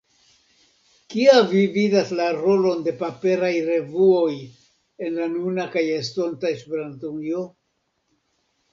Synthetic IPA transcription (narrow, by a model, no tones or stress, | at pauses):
kiavividaslaɾo̞lo̞nde̞pape̞ɾajɾe̞vuo̞j | e̞nlanunakaje̞sto̞ntaespeɾantujo